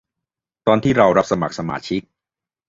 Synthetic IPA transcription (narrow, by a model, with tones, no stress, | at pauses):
t̪ɔː˧nt̪ʰiː˥˩ɾa˧wɾa˦˥p̚sa˧ma̰˨˩k̚sa˧ma̰ː˧˥t͡ɕʰi˦˥k̚